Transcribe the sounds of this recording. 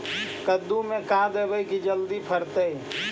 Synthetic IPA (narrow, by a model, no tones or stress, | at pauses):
kəd̪ːumẽkãd̪ebəikid͡ʒəld̪ipʰəɾt̪əj